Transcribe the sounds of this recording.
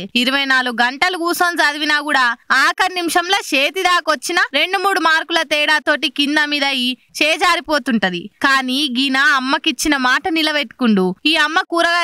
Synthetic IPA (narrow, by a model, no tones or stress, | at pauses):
iɾuʋɐjnaːluɡuɡɐɳʈɐluɡuːsoːnsad̪iʋinaːkuːɽaːaːkɐɾnimʂɐmloːʃeːt̪id̪aːkʋɐt͡ʃːinɐɾe̞ɳɖumuːɽumaːɾkulɐt̪ɛːɽaːt̪o̞ːʈikind̪ɐmiːd̪ɐjit͡ʃɛːd͡ʒaːɾipo̞ːt̪uɳʈɐd̪ḭkaːniːɡinaɐmːɐkit͡ʃːinɐmaːʈɐnilɐʋeʈu̥kuɳɖuiːɐmːɐkuːɾɐɡɐ